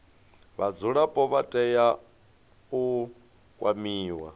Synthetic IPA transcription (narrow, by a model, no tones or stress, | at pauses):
βad͡zuɺapʼɔβatʼɛja | u | kʼwamiːwa̰